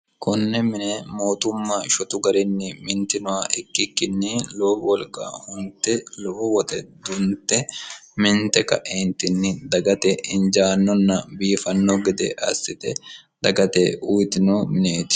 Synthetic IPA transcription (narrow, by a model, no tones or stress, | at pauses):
kʊnːɛmɪnɛmoːt̪ʊmːaʃɔt̪ʊɡɐɾɪnːɪmɪnt̪ɪnʊwaʔɛkːɪkːɪnːɪlowɔlkːa̰ːhʊnt̪ːɛlɔɔwɔt̪ɛd̪ʊnt̪ɛmɪnt̪ɛkɐ̰ʔeːnt̪ɪnːɪd̪ɐɡɐt̪ɛɪnd͡ʒaːnːɔnːɐbiːfɐnːɔɡɪd̪ɛʔɐ̰sːɪt̪ɛd̪ɐɡɐt̪ḛʊjt̪ɪnoːmɪneːt̪ɪ̥